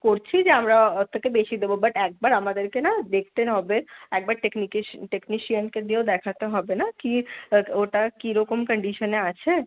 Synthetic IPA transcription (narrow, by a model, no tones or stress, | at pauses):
koɾt͡ʃʰid͡ʒeamɾaɔt̪ːəkebet͡ʃʰid̪ebobəʈɛːk̚baɾamad̪əɾkenad̪ekʰt̪eɦɔbeɛːk̚baɾʈeknikeʈekniʃijənked̪iod̪ɛkʰat̪eɦɔbenakioʈakiɾɔkəmkəɳɖiʃəneat͡ʃʰe